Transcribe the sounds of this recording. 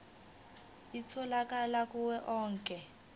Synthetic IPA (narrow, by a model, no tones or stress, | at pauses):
it͡sʰɔlakalakuwɛʔɔːŋkʼɛ